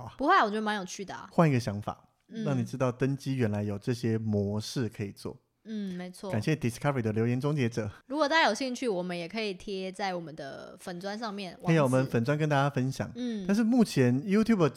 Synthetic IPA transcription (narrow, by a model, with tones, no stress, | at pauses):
pu˧˥xwa˥˩ɪ˨wt͡ɕo˥˧˩m˧njo˨˩ʊt͡ɕʰy˥˩d̪ə˩a̰˨˩xwa˥˩ni˧˥ɡə˧ɕjɑ˧˥ŋfa̰˨˩˦ | ɻɑ˥˩ŋni˨˩ʈ͡ʂɻ̩˥t̪ɑ˥˩ʊt̪ə˥nt͡ɕi˥ɥɛ˧˥nla˧˦ɪjo˨˩ʊʈ͡ʂɤ˥˩ɕjɛ˥mwɔ˧˥ʂɻ̩˥˩kʰɤ˧˥i˨˩t͡swɔ̰˥˩ | n̩˥˩me˧˥ɪt͡sʰwɔ˥˩ka˨˩nɕjɛ˥˩t̪i˨˩skʰa˥ə˨˩i˨˩d̪ə˦˩ljo˧˥ʊjɛ˧˥nʈ͡ʂʊ˥ŋt͡ɕjɛ˧˥ʈ͡ʂɤ˨˩˦ɻu˧kwɔ˨˩t̪a˥˩a˥jo˨˩ɕi˥˧ŋt͡ɕʰy˥˩wɔ˨˩mə˦njɛ˨˩kʰɤ˧˥i˨˩t̪ʰjɛ˥t͡sa˥˩ɪwɔ˨˩mə˦nd̪ə̰˧fə˨˩nt͡swa˥˦nʂɑ˥˧ŋmjɛ˥˩n˥jo˨˩˨wɔ˨mə˧˦nfə˨˩nt͡swa˥nk̬ə˦nt̪a˥˩t͡ɕja˥fə˦nɕjɑ̰˨˩ŋtn̩˥a˥˧nʂ̬ɻ̩˥˧mu˥˩t͡ɕʰjɛ˧˦nju˥t̪ʰju˥˩bə˩